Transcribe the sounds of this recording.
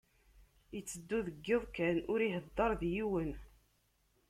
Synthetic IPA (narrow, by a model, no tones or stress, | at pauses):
jət͡sːəd̪ːuðəɡːeðˤkænʊɾiɦəd̪ːɑɾˤðjiwən